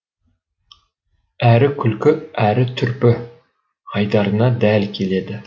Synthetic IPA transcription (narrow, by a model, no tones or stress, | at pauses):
æɾɪkʲʰylkʲʏæɾɪt̪ʰʏɾpɪ | hɑjd̪ɑɾɨnɑd̪ælkʲʰeled̪ɪ